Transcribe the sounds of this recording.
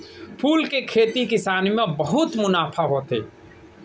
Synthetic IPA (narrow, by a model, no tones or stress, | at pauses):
pʰuːlkekʰeːt̪ikɪsaːnmẽbəɦʊt̪mʊnaːpʰaɦoːt̪ḛː